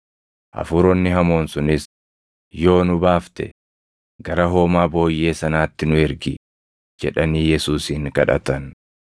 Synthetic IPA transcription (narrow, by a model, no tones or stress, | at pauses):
ʔɐ̰fʊɾɔnːɪɦɐmo̞ːnsʊnɪs | jo̞ːnʊbaːft̪ɛ̰ | ɡɐɾɐɦo̞ːmaːbo̞ːjːe̞ːsɐnaːt̪ːɪnʊɛɾɡɪ | d͡ʒɛᶑɐniːjɛsuːsɪŋkɐ̰ᶑɐ̰t̪ɐn